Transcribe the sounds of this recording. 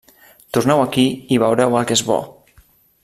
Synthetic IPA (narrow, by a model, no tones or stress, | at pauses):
t̪urnɛwakiiβ̞əwɾɛwəlˠkezβɔ̰